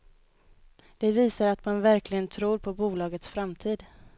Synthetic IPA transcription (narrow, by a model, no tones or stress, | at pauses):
d̪̥ɛviːsaɾat̪manvæɾklɪɡənt̪ʰɾuːɾpʰɔbuːlɑːɡət̪sfɾamt̪ʰiːd̪